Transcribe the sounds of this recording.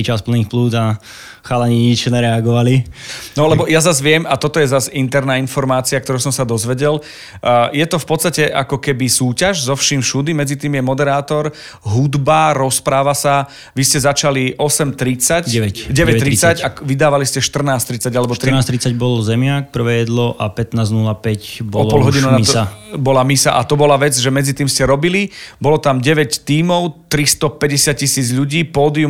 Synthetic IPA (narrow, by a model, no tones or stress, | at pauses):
it͡ʃaspl̩niːxpluːd̪a | xaːlaɲiɲit͡ʃɲɛɾɛaɡɔʋalinɔlɛbɔjazazʋɪɛmat̪ɔt̪ɔjɛzazint̪ɛɾnaːinfɔɾmaːt͡siak̚t̪ɔɾusɔmsad̪ɔzʋɛɟɛl | jɛt̪ɔfpɔt͡sst̪acɛʔakɔkɛbisuːcaʒzɔfʃimʃud̪imɛd͡zit̪iːmjɛmɔd̪ɛɾaːt̪ɔɾ | ɦud̪baɾɔspɾaːʋasa | ʋiscɛzat͡ʃaliʔɔsɛmt̪ɾit͡sacɛɛɟɛʋɛt̪ːɾit͡sːacakʋid̪aːʋaliscɛʃt̪r̩naːst̪ɾit͡saɟalɛbɔt̪ɾinaːst̪ɾit͡saɟ̚bɔlzɛmɪak̚pr̩ʋɛːjɛd̪lɔʔapɛt̪naːznulapɛcbɔɔlpɔlɦɔɟinunasabɔlamisaʔat̪ɔbɔlaʋɛd͡zʒɛmɛd͡zit̪iːmscɛɾɔbilibɔlɔt̪amɟɛʋɛct̪iːmɔʊt̪ɾist̪ɔpɛɟɛsɪat̪̚cisiːd͡zʎuɟiːpɔːd̪iu